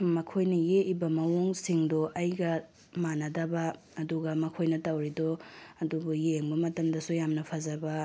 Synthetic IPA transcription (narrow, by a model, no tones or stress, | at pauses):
mɐkʰojnɐjeʔibɐmɐwoŋsiŋdoʔɐjɡɐ | manɐdɐbɐː | duɡɐmɐkʰojnɐtɐwɾidoɐdubujeŋbɐmɐtɐmdɐsujamnɐpʰɐzɐbɐ